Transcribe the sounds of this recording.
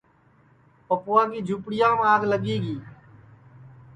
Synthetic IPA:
pəpʊːãːɡiːd͡ʒʱuːpɽɪjãːmːaːɡləɠiːɡiː

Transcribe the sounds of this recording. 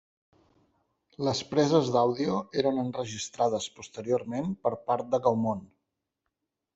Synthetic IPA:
ləspɾɛzəzd̪awðiueɾənənrəʒist̪ɾað̞əspust̪əɾioɾmenpəɾpaɾt̪̚d̪əɣəwmon

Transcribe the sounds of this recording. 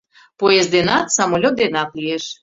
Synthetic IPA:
pojesd̪enɑt̪sɑmolʲot̪̚d̪enɑt̪lieʃ

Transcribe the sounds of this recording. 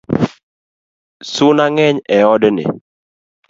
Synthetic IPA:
sʊnaŋɛɲɛɔdnɪ̰

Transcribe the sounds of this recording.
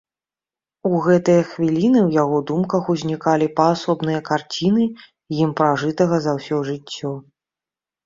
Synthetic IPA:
uɣɛt̪ɨjɐxvʲilʲinɨwjaɣɔd̪umkɐxuzʲnʲikalʲipɐːsɔbnɨjɐkart͡sʲinɨ | jimpɾaʐɨt̪ɐɣɐzawsʲɔʐɨt͡sʲːɔ

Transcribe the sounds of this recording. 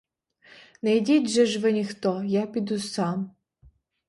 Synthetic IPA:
nɛjdʲidʲʒɛʒʋɪnʲixt̪ɔjapʲid̪usɑm

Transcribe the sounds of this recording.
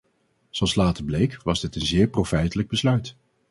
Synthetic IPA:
zɑlˠslaːtəɹblejkʋɑzdɪtənzɪːɹprowfɛjtələɡ̚bəslœɥt

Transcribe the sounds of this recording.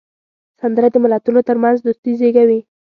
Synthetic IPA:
sand̪əɾad̪əmɪlat̪unot̪əɾmanzd̪ust̪izeɡawi

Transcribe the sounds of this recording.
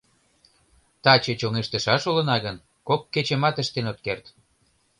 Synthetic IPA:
t̪ɑt͡ɕet͡ɕoŋeʃt̪ə̆ʃɑʃolə̆nɑɣən | kokːet͡ɕə̆mɑt̪ə̆ʃt̪enot̪̚kert̪

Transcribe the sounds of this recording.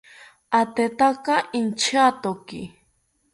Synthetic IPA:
at̪et̪akɑɪnt͡ʃat̪okɪ̰

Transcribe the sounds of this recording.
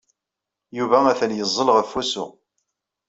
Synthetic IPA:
juvæmæθənjəzˤːəlʁəfːusʊ̰

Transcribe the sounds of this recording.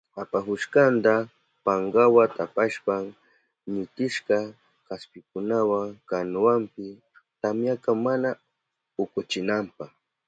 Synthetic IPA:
apaxʊʃkant̪a | paŋɡawat̪apaʃpaŋ | mɪt̪ɪʃkɑ | kaspɪkʊnawaŋkanwampɪ | t̪amjakamana | ʊkʊt͡ʃɪnampaχ

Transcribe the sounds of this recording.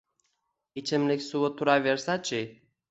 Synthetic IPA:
it͡ʃemlekʲsuwət̪uɾavʲeɾsat͡ʃe

